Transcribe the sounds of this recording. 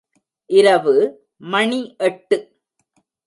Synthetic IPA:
ʔɪɾɐʋɯ | mɐɳiʔɛʈːɯ

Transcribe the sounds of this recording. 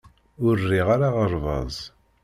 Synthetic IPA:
ʊrːiʁaɾaʁəɾˤvɑ̰zˤ

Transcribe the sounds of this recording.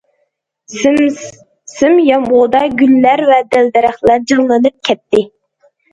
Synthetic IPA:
sɪmjɑmʁod̪ɑɡʲylːæɾvɛd̪æld̪ɛɾæχlˠæɾd͡ʒɨŋlˠɨnɨp̚kʲʰɛt̪ːɪ

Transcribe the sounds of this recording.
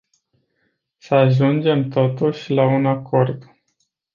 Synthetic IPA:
səaʒund͡ʒe̞mt̪o̞t̪uʃʲlaunako̞rd̪

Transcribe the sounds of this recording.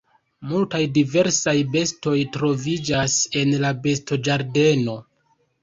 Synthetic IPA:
multajdive̞ɾsajbe̞sto̞jtɾo̞vid͡ʒase̞nlabe̞sto̞d͡ʒaɾde̞no̞

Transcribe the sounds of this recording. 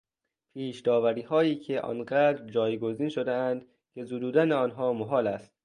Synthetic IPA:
pʰiːʃd̪ɒːvæɾiːɦɒːjiːcʰeʔɒ̰nɢæːd̪ɾd͡ʒɒːjɡoziːnʃod̪eænd̪̥ | cʰe̞zuːd̪uːd̪æneɒːnɦɒːmoɦɒːlæst̪̚

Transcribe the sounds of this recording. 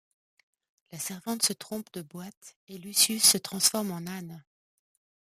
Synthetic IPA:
lasɛʁvɑ̃t̪sət̪χɔ̃pd̪əbwat̪elysjysːət̪χɑ̃sfɔʁmɑ̃nan

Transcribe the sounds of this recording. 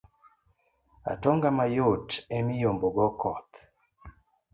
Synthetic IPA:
a̰toŋɡamajotemijomboɡɔkɔt̪

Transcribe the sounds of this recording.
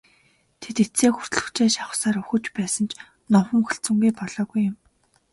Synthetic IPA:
t̪ʰet̪et͡seːxur̥t̪̆ɮɵ̆xt͡ɕeːʃaχʊ̥̆saːɾɵxɵ̆t͡ɕpæːsə̆nt͡ɕ | nɔχə̆ŋxɵɬt͡sɵ̆ŋɡuːpɔɮ̥ɔːɣujːʊ̆m

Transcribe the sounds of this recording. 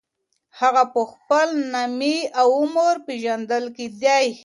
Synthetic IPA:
haɣapəxpəlnamiawʊməɾpeʒand̪əlked̪jaj

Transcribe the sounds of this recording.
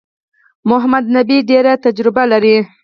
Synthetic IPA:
mʊɦamad̪̚nabiɖeɾat̪ad͡ʒɾɪbalaɾi

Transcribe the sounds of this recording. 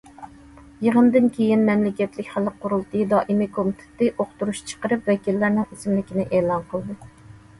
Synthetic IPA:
jəʁənd̪ɨnkʲʰejinmɛmlɪkʲɛt̪lɪkʲχælːəqʰʊɾulˠt̪ʰɨd̪ɑːʔimikʰomɪt̪ʰɪ̥t̪ɪʔoqt̪uɾuʃt͡ʃʰə̥qəɾɨpvɛkʲilːæɾnɪŋisɪmlɪkʲinɪʔeːlˠɑnqʰəlˠd̪ɨ

